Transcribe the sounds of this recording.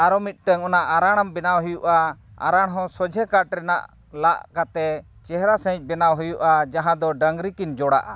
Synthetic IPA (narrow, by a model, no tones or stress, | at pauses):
aɾɔmit̪̚ˀʈəŋɔnaʔaɾaɽ̃ambɛnawɦujuʔaa̰ɾaɽ̃ɦɔ̃sɔd͡ʒʱɛkaʈɾɛna̰ʔ | laʔkat̪ɛ | t͡ʃɛɦɾasə̃c̚ˀbɛnawɦujuʔad͡ʒaɦãd̪ɔɖəŋɡɾikind͡ʒɔɽa̰ʔa